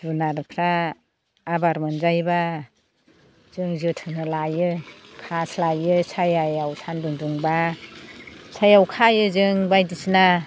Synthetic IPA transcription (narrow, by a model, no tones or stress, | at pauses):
zunaɾɯkʰɾaː | baɾmɯnzajba | z̥ɯŋzɯtʰɯnɯlajɯkʰaslajɯsajajawsʰanduŋduŋba | sajawkʰajɯzɯŋbajdisna